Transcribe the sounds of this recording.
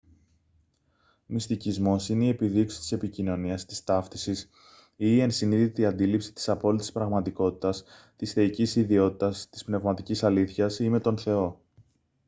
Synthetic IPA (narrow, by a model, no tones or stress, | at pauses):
mist̪icizmo̞sineiepiðiksi̥t̪i̥se̞picino̞niɐst̪i̥st̪ɐft̪isis | iːe̞nsiniðit̪eiɐnd̪ilipsi̥t̪i̥sɐpo̞lit̪i̥spɾɐɣmɐt̪iko̞t̪i̥t̪ɐs | t̪isθe̞icisiðio̞t̪i̥t̪ɐst̪i̥spne̞vmɐt̪icisɐliθçɐsime̞t̪o̞nθe̞o̞